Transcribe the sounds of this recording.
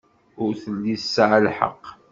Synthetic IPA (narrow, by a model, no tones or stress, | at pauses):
ʊɾθəlːisːəʕlħə̰qː